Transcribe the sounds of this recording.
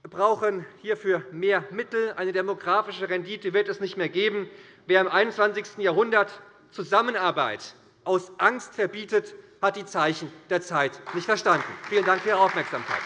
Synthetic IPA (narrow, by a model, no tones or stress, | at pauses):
b̥ʁaʊxənhiːɐfyːɐmeːɐmɪtl̩ʔa̰ɪnədemoɡʁaːfɪʃəʁɛndiːtəvɪɐtɛsnɪçtmeːɐɡeːbm̩ | veːɐɪmʔaɪnʊntt͡sv̥ant͡sɪçstn̩jaːhʊndɐt | t͡suzamənaɐbaɪt | ʔaʊsʔaŋstfɛɐbiːtət | hat̚d̥iːt͡saɪçn̩d̥eːɐt͡saɪtnɪçtfɛɐʃtandn̩fiːləndaŋkfyːɐʔiʁəaʊfmɛɐkz̥aːmkʰaɪt